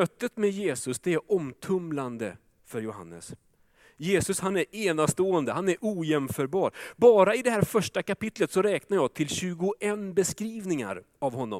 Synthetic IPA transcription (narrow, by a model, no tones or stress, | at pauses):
œt̪ːət̪mɛjeːsɵsd̪ɛæɾɔmt̪ʰɵmland̪ə | fœɾjʊha̰nːə̰s | jeːsɵshanæɾeːnast̪oːənd̪əɦanæɾʔuːjɛmfœːɾbɑːɾbɑːɾaɪd̪ɛɦæːɾfœʂʈakapɪt̪lət̪sɔɾɛːknaɾjɑːt̪ʰɪlɕʉ̟ːɡʊʔɛnbɛskɾiːvnɪŋa̰ɾ | avɦɔnːɔ̰m